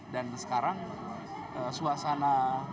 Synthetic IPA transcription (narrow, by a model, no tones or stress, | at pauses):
dansə̥kaɾaŋ | ʔəsuasana